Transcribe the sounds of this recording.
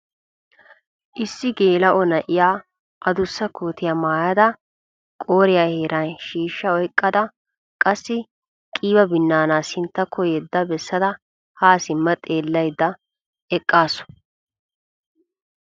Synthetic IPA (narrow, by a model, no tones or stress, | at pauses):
ʔɪsːɪɡeːlɐʔɔnɐʔɪjaː | ʔɐd̪ʊsːɐkʰoːt̪ɪjamaːjɐd̪ɐ | kʼoːɾɪjaːheːɾɐnʃiːʃːɐɔjkʼːɐd̪ɐ | kʼɐsːɪ | kʼiːbɐbɪnːaːnaːsɪnt̪ːɐkʰːɔjɛd̪ːɐbɛsːɐd̪ɐ | haːsɪmːɐt̪ʼe̞ːlːɐjd̪ːɐ | ɛkʼːaːsʊ̥